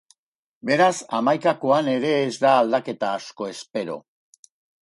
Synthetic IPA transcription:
be̞ɾasamajkako̞ane̞ɾe̞ːzd̪aːld̪ake̞t̪aːsko̞e̞spe̞ɾo̞̰

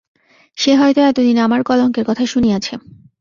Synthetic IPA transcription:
ʃeɦɔjt̪oɛt̪od̪inamaɾkɔloŋkeɾkɔt̪ʰaʃuniat͡ɕʰe

